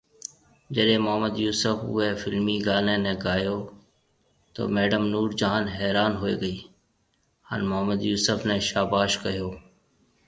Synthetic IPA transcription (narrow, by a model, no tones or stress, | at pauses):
d͡ʒəɗẽːmʊɦəməd̪juːsəfɦʊ̰eːfɪlmiːɡaːneːnẽːɡaːjoː | t̪o̰ːmɛːɖəmnuːɾd͡ʒaːnɦɛːɾaːnɦoːḛːɡəiː | ha̰ːnmʊɦəməd̪juːsəfnẽːʃaːbaːʃkəɦijoː